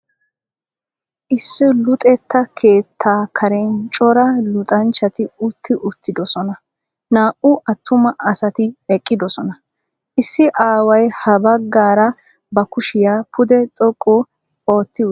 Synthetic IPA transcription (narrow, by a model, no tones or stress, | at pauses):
ʔɪsːɪlʊt̪ʼɛt̪ːɐkʰe̞ːt̪ʰːaːkʰɐɾɛnt͡ʃʼɔɾɐlʊt̪ʼɐnt͡ʃːɐt̪ɪʊt̪ːɪʔʊt̪ːɪd̪ɔsɔnɐ | naːʔʊʔɐt̪ːʊmɐʔɐsɐt̪ɪɛkʼːɪd̪ɔsɔnɐ | ʔɪsːɪʔaːwɐjhɐbɐɡːaːɾɐ | bɐkʊʃɪjaːpʰʊd̪ɛt͡s̪ʼɔkʼːʊ | o̞ːt̪ːɪ